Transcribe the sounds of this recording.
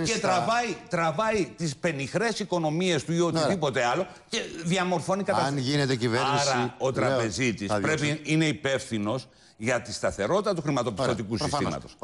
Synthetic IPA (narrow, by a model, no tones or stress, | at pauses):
cet̪ɾɐvɐit̪ɾɐvɐit̪ispe̞nixɾe̞siko̞no̞mie̞st̪uiot̪iðipo̞t̪e̞ɐlo̞ | ce̞ðiɐmo̞ɾfo̞nikɐt̪ɐnʝinet̪eciveɾnɾɐo̞t̪ɾɐpe̞zit̪ispɾe̞piine̞ipe̞fθino̞s | ʝɐt̪ist̪ɐθe̞ɾo̞t̪it̪ɐt̪uxɾimɐt̪o̞pi̥sst̪o̞t̪ikusisḭmɐ̰t̪o̞s